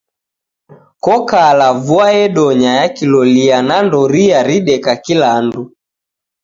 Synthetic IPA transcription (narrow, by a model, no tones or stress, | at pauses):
kɔkalavuaɛɗɔɲajakilɔlianandɔɾiaɾiɗɛkakilandu